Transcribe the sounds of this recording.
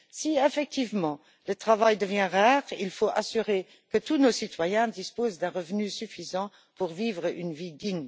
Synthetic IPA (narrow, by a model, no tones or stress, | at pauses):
siefɛk̚t̪ʰivmɑ̃ | lət̪χavajd̪əvjɛ̃ʁaːʁilfoʔasyʁe | kət̪unosit̪wajɛ̃d̪ispoːzd̪ɛ̃ʁəvnysyfizɑ̃ | puʁviːvʁəʔynvid̪iɲ